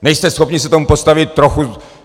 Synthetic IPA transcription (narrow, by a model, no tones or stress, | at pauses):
nɛjst̪ɛsxopɲisɛt̪o̞mupo̞st̪avɪt̪̚ːɾoxu